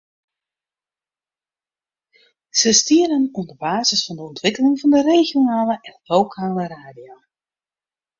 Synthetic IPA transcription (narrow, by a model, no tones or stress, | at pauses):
z̥əstiəɾənɔndəbaːzəsfɑndəɔntʋɪkəlɪŋvɑndəreːɣjonaːləʔɛnlowkʰaːləraːdjoː